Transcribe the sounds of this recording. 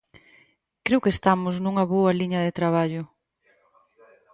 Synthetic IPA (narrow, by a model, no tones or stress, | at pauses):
kɾewkest̪amʊznuŋɐβoɐliɲɐðet̪ɾaβ̞aʎʊ